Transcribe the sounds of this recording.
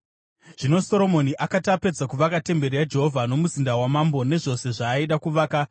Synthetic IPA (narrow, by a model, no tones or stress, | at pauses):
ʐ̥ino̞so̞ɾo̞mo̞niʔakatape̞d͡zakuʋakate̞mbe̞rijad͡ʒe̞ɦo̞vʱano̞muzindawamambo̞ne̞ʐo̞se̞ʐaːiɗakuʋaːka